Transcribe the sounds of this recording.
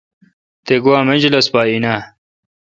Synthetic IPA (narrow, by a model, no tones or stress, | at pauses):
t̪eɡuwaːmɐnd͡ʑlɐspaːina